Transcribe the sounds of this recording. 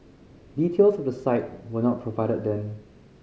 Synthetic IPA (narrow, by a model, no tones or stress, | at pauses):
diːtʰelsɔvdəsaɪt̚wənɔt̚pʰɹovaɪɾəddɛ̃m